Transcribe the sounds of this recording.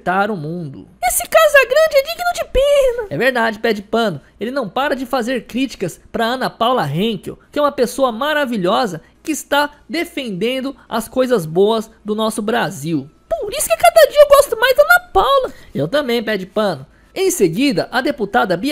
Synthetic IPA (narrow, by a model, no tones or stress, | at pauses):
t̪aɾʊmũd̪ʊ̰esɪkazʊɛɡɾɐ̃d͡ʒɪɛd͡ʒiɡɪnʊd͡ʒɪpenɐɛveɾd̪ad͡ʒɪpɛd͡ʒɪpɐ̃nʊ | elɪnɐ̃w̃paɾɐd͡ʒɪfazeɾkɾit͡ʃi̥kɐspɾɐɐ̃nɐpawlɐɦẽŋkḛwkɪɛũmɐpesoɐmaɾaviʎɔzɐkɪːst̪ad̪efẽnd̪ẽnd̪ʊɐ̰skojzɐzboɐzd̪ʊnɔsʊbɾaziw | poɾisʊ̥kɪkad̪ɐd͡ʒiɐewɡɔst̪ʊmajzd̪ɐnɐpawlɐewt̪ɐ̃mbẽj̃pɛd͡ʒɪpɐ̃nʊ | ẽj̃seɡid̪ɐʔɐd̪eput̪ad̪ɐbi